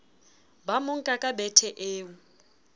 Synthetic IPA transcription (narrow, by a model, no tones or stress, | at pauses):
bamʊŋ̩kʼakʼabɛtʰɛʔeːu